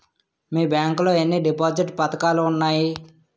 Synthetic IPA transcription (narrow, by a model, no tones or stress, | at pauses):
miːbjaːŋkloːenːiɖipaːd͡ʒiʈpɐt̪ɐkaːluːnːaːji